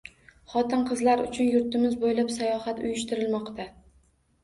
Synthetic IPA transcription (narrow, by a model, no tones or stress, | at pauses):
χɒt̪ɪnqʰɨzlaɾʊ̰t͡ʃʰʊnjʊɾt̪ɪmɪzbojlapsajɒhat̪ʊjʊʃt̪ɪɾɪlmɒqt̪ʰa